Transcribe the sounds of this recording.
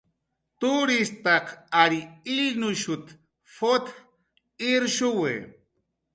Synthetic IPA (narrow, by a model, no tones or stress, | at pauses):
t̪uɾist̪aqaɾiinuʃut̪ | fot̪ | iɾʃuwḛ